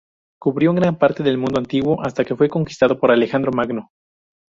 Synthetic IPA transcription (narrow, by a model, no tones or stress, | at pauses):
kuβɾjo̞ŋɡɾampaɾt̪e̞ðelmũnd̪oant̪iɣwo̞ʔast̪ake̞fwe̞ko̞ŋki̥st̪að̞o̞po̞ɾale̞xand̪ɾo̞maɡno̞